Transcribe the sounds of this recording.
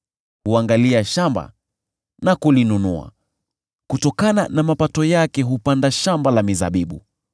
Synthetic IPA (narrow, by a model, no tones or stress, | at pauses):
huaŋɡaliaʃamba̰ | nakulinunṵa̰ | kutɔkananamapatɔjakɛɦupandaʃambalamiza̰ɓiɓṵ